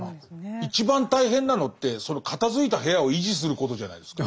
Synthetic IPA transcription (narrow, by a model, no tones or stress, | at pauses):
it͡ɕibãnt̪aiɦẽ̞nːano̞t̪ːe̞so̞no̞kʰat̪azɨit̪aɦe̞jao̞iʑis̬ɨɾɯ̟ko̞t̪o̞ʑana̰id̪e̞ska